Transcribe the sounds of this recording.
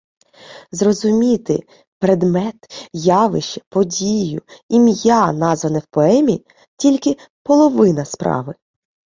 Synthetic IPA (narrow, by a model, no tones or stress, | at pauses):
zrɔzʊmʲit̪ɪ | pɾed̪mɛt̪jɑʋɪʃt͡ʃɛpɔdʲijʊimjanɑzʋɐnɛwpɔɛmʲi | tʲilʲkɪ | pɔlˠɔʋɪnɐspɾɑ̰ʋɪ